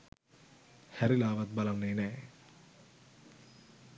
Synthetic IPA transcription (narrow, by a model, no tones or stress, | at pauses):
hɛɾilaːʋɐt̪̚bɐlɐnːeːnɛ